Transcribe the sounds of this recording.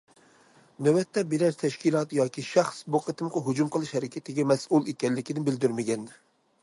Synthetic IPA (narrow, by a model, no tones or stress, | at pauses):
nøwɛt̪ʰːɛbeɾɛɾt̪ʰɛʃkʲilˠɑt̪jɑːkʲiʃɑχsboqʰət̪ɨmqəɦud͡ʒumqʰəlˠɨʃhɛɾɪkʲʰɛt̪ʰɪɡʲɛmɛsulˠekʲɛnlːɪkʲʰid̪ɪnbɪld̪yɾmɪɡʲɛn